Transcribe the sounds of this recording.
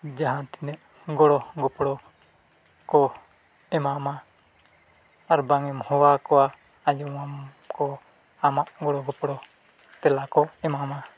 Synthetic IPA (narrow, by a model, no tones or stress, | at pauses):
d͡ʒaɦãt̪inɛʔ | ɡɔɽɔɡɔpɽɔ | kɔ | ɛmama | aɾbaŋɛmhɔwakɔwa | ajɔam | kɔ | amaʔɡɔɽɔɡɔpɽɔ | t̪ɛlakɔɛmama